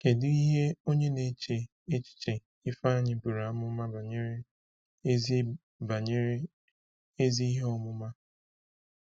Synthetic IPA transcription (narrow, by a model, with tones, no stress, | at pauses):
ke˨dɪ˦i˦ɦe˦o˦ɲe˦ne˨t͡ʃe˨ | e˦t͡ʃi̥˦t͡ʃe˨ | ɪ˦fa˦a˦˨ɲɪ˨bu˨ɾa˨˦mʊ˦ma˦ba˨ɲe˦ɾe˦ | ba˨ɲ˦ | e˦zi˦i˦ɦe˦ɔ˦mʊ˦ma˦